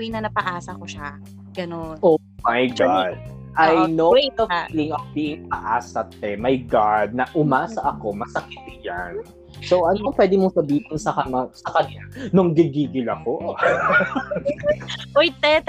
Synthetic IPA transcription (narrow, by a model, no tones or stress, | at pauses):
jnɐnɐpɐʔaːsɐkoʃa | ɡ̥ɐnonʔo | mɐjɡad̪̚ʔajnowejt̪ovfiːlɪŋɐfbiːʔɪŋpɐʔaːsɐt̪̚ɛmɐjɡad̪̚nɐʔʊmaːsɐʔɐko̞mɐsɐkɪt̪̚ɪja̰n | sowʔɐnoŋpwɛːd̪ɪmosɐbiːhɪnsɐkɐɐsɐkɐnanʊŋɡɪɡiːɡɪlɐko | ojt̪ɛt̪